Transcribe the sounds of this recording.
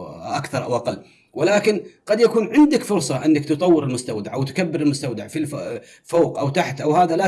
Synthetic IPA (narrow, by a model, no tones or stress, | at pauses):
ʔakθɑɾˤʔa̰wʔaqɑlː | wɪlaːkɪnqɑd̪jakuːnʕɪnd̪ɪkfʊɾsˤɑʔɪnːakt̪ɨt̪ˤɑwːɪɾɪlmʊst̪awd̪aʕʔawt̪kabːɪɾɪlmʊst̪awd̪aʕfil | foːqʔawt̪aħt̪ʔawhaːðala